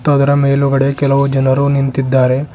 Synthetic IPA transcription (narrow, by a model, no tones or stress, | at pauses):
t̪ːuɐd̪ɐɾɐme̞ːluɡɐɽe̞kɛlɐʋud͡ʒɐnɐɾunint̪id̪ːaːɾe̞